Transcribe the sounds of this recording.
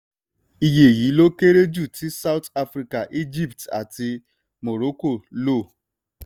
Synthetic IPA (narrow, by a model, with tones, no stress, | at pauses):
i˦je˨ɣi˨˦lo˦ke˦ɾe˦d͡ʒu˦˨tɪ˦sa˦ʊ˦ta˦fɾi˦ka˨ʔi˦d͡ʒi˦˨pta̰˨tɪ˧ | mo˨ɾo˦ko˦˨lo˦˨